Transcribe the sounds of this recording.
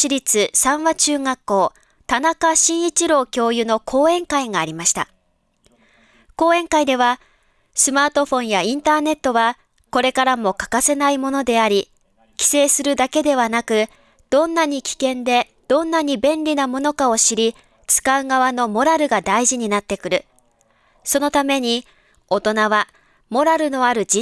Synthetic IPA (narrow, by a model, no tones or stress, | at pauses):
t͡ɕiɾʲit͡sɨsãɰ̃βat͡ɕɨːŋakːo̞ː | t̪anakaɕĩɰ̃it͡ɕiɾo̞ːkʲo̞ːjɯ̟no̞kʰo̞ːẽ̞ŋkaiŋaːɾʲimaɕi̥t̪a̰ | ko̞ːẽ̞ŋkaid̪e̞β̞a | sɨmaːt̪o̞ɸõ̞ɰ̃jaĩnt̪aːne̞t̪ːo̞βa | ko̞ɾe̞kaɾamo̞kḁkase̞naimo̞no̞d̪e̞aɾʲi | kʲi̥se̞ːsɨɾɯ̟d̪ake̞d̪e̞β̞anakɯ̟ | d̪̥õ̞nːaɲ̟ikʲi̥kẽ̞nd̪e̞ | d̪̥õ̞nːaɲ̟ibẽ̞nɾʲinamo̞no̞kao̞ɕiɾʲi | t͡sɨ̥kaɯ̟ɡaβ̞ano̞mo̞ɾaɾɯ̟ɡad̪aiʑiɲ̟inat̪ːe̞kɯ̟ɾɯ̟ | so̞no̞t̪ame̞ɲ̟i | o̞t̪o̞naβa | mo̞ɾaɾɯ̟no̞aɾɯ̟d͡ʑi